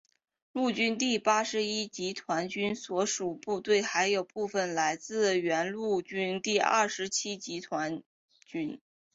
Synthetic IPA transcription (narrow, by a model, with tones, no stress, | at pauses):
lu˥˩t͡ɕy˥nt̪̬i˥˩pa˥ʂɻ̩˧˥i˥t͡ɕi˧˥t̪ʰwa˧˥nt͡ɕy˥nswɔ˧˥ʂu˨˩pu˥˧t̪we˥˩ɪxa˧˥ɪjo˨˩ʊpu˥˩fə˩nla˧˥ɪt͡sɹ̩˥˩ɥɛ˧˥nlu˥˩t͡ɕy˥nt̪i˥˧ə̰˥˩ʂɻ̩˧˥t͡ɕʰi˥t͡ɕi˧˥t̪ʰwa˧˥n | t͡ɕy˥n